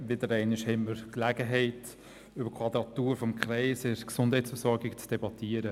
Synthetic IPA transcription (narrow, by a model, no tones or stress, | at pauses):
ʋɪdəɾɛɪnɪʃhɛmːəɾklæɡəɦɛɪt | ybəkʰvɑd̪ɾɑtuːɾfɔmkχɾɛɪsɪɾksʊnd̥hɛɪtt͡sfəsɔɾɡɪkt͡sd̥ɛbɑtʰiəɾə